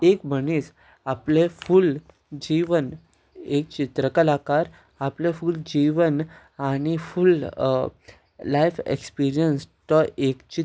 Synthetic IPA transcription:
ekməniːs | apleful | d͡ʑiʋən | ek̚t͡ɕit̪ɾəkalakaɾ | aplẽfuld͡ʑiʋən | aɽ̃iful | lajfḛkspiɾijənst̪əʔekt͡ɕi

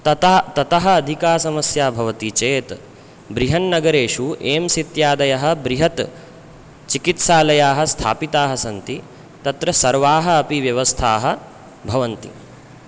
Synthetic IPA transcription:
t̪ɐt̪ːt̪ɐt̪ɐɦɐ̆ːd̪ʱikaːsɐmɐsjaːbʱɐʋɐt̪it͡ʃeːt̪ | bɾiɦɐnːɐɡɐɾeːʂuʔeːmsit̪jaːd̪ɐjɐɦɐ̆bɾiɦɐt̪ | t͡ʃikit̪saːlɐjaːɦɐst̪ʰa̰ːpit̪aːɦɐsɐnt̪i | t̪ɐt̪ɾɐsɐɾʋaːɦɐːpiʋjɐʋɐst̪ʰaːɦɐ̆ | bʱɐʋɐnt̪ḭ

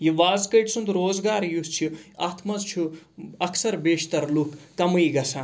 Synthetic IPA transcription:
jiʋaːzkəʈsund̪ɾoːzɡaːɾjust͡ʃʰiaːt̪ʰmɐzt͡ʃʰuɐksɐɾbeːʃt̪ɐɾlukːɐmujɡɐsʰaː

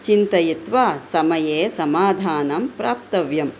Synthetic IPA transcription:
t͡ʃint̪ɐjit̪ʋaːsɐmɐjeːsɐmaːd̪ʱaːnɐmpɾaːp̚t̪ɐʋjɐm

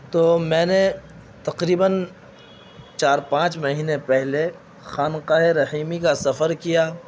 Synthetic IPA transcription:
t̪oːmɛ̃ːne | t̪ɐqɾiːbən | t͡ʃaːɾpãːt͡ʃmɐɦiːnepɛɦle | xaːnqaːɦeɾɐhiːmikasɐfəɾkijaː

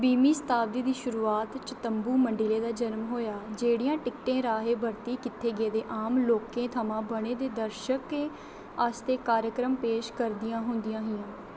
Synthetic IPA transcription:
biːmiːsə̥t̪ʰaːbd̪iːd̪iːʃʊɾuːaːt̪t͡ʃət̪əmbuːməɳɖɪleːd̪aːd͡ʒənmɦoːjaːd͡ʒeːɽɪjãːʈɪkʈẽːɾaːɦeːbəɾt̪iːkɪt̪ʰːeːɡeːd̪eːʔaːmloːkẽːt̪ʰəmãːbəɽ̃eːd̪eːd̪əɾʃəkeː | əst̪eːkaːɾjəkɾəmpeːʃkəɾd̪ɪjãːɦʊnd̪ɪjãːɦɪjãː

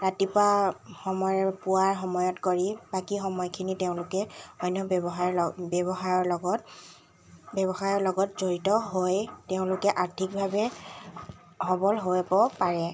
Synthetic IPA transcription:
ɹatipaxɔmɔpʊwaɹxɔmɔjɔtkoɹibakixɔmɔjkʰiniteʊ̃lʊkɛɔjnːɔɔxabɛbɔxaɹɔɹlɔɡɔt | bɛbɔxaɹɔɹlɔɡɔtzoɹitɔɦojteʊ̃lʊkɛʔaɹtʰik̚bʱabɛ | ɦɔbɔlɦobɔpaɹɛ

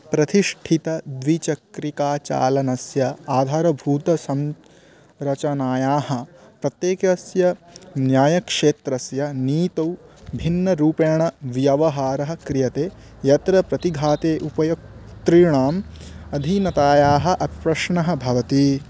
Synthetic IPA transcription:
pɾɐt̪iʂʈʰit̪ɐd̪ʋit͡ʃɐkɾikaːt͡ʃa̰ːlɐnɐsjɐaːd̪ʱaːɾɐbʱuːt̪ɐsɐm | ɾɐt͡ʃɐnaːjaːɦɐ̆ | pɾɐt̪jeːkɐsjɐnjaːjɐkʂeːt̪ɾɐsjɐniːt̪ɐwbʱinːɐɾuːpɐːɳɐʋjɐʋɐɦaːɾɐɦɐ̆kɾijɐt̪eː | jɐt̪ɾɐpɾɐt̪iɡʱaːt̪eːʔupɐjok̚t̪ɾiːɳaːmɐd̪ʱinɐt̪aːjaːɦɐ̆ʔɐpipɾɐʂɳɐɦɐ̆bʱɐʋɐt̪i

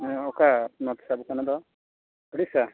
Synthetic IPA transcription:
ɔkanɔt̪sabukanad̪ɔ | ɔɽisa

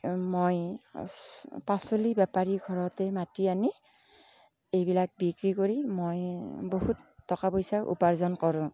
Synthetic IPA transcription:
moj | pasolibapaɹiɡʱɔɹɔtɛmatiani | ejbilak̚bikɹikoɹimojbohutːɔkapɔjsaʔṵpaɹzɔnkɔɹʊ̃

